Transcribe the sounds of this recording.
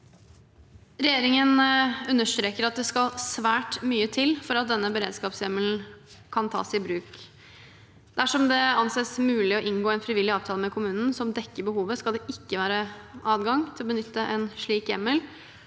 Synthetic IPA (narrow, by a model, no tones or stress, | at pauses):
ɾɛjeːɾɪŋənʉnːəʂt̪ɾeːkəɾɑt̪̚d̪ɛskɑlsʋæːʈmyːət̪ʰɪlfɔɾɑt̪̚d̪ɛnːəbəɾḛːd̪skɑːpsjɛməln̩kʰɑnt̪ʰɑ̰ːsɪbɾʉːk | d̪̥æʂɔmd̪ɛɑnseːsmʉːlɪɔʔɪŋɡoːɛnfɾɪʋɪlːɪɑːʋt̪ʰɑːləmɛkʰʊmʉːnn̩sɔmd̪ɛkːəbəhuːʋəskɑld̪ɛʔɪkːəʋæːɾəɑːd̪ɡɑŋt̪ʰɪlɔbənʏt̪ːəʔɛnʂɭiːkjɛmːəl